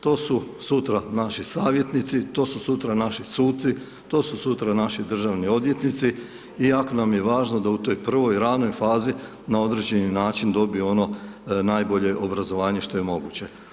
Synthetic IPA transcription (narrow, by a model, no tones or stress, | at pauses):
t̪o̞ːsu | sut̪ɾanaʃisaːʋje̞t̪nit̪sit̪o̞ːsusut̪ɾanaʃisuːt̪t̪si | t̪o̞ːsusut̪ɾanaʃid̪r̩ʒaʋnio̞d̪ʋje̞t̪nit̪si | ijako̞namje̞ʋaːʒnod̪aut̪o̞jpr̩ʋo̞jɾano̞jfaːzi | nao̞d̪ɾed͡ʑeninaːt͡ʃind̪o̞bijo̞no̞najbo̞ʎe̞ʔo̞bɾazo̞ʋaːɲeʃt̪o̞je̞mo̞ɡuːt͡ɕe̞